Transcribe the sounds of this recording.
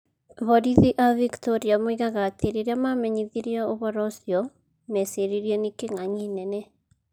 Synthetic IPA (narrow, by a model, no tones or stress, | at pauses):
βɔɾiðiʔaviktɔɾiamoiɣaɣatʰeɾeɾeamamɛɲiðiɾiɔoβɔɾɔsiɔ | mɛseɾiɾiɛnikeŋaɲinɛnɛ